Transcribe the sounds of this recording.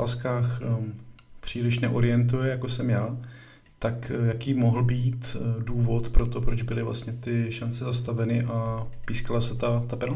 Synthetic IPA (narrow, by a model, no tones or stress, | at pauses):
askaːx | pr̝̥iːlɪʃnɛʔo̞ɾɪjɛnt̪ujɛjakosɛmjaː | t̪akjakiːmo̞ɦl̩biːt̪duːvo̞t̪pɾo̞t̪o̞pɾo̞d͡ʒbɪlɪvlʔa̰st̪ɲɛt̪ɪʃant͡sɛzast̪avɛnɪʔapiːskalasɛt̪at̪apɛl